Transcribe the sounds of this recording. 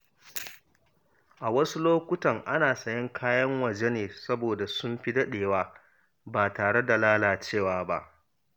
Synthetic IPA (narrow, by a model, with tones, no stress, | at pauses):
ʔa˨wɐ˦su˦loː˦kʷʊ˦tɐ˨ŋʔa˦naː˨sɐ˨jɐ˦ŋkʰaː˦jɐ˦ŋwɐ˨d͡ʒe˦neː˨sɐ˦boː˨da˨sʊ˦mɸi˦dɐ˦ɗeː˨waː˦ | baː˨taː˨ɽe˦da˨laː˦laː˨t͡ʃeː˦˨waː˨ba̰˦ʔ